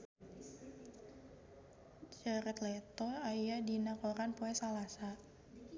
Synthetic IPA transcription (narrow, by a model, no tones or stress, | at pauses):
d͡ʒəɾət̪lɛt̪ɔajadinakoɾanpoɛsalasa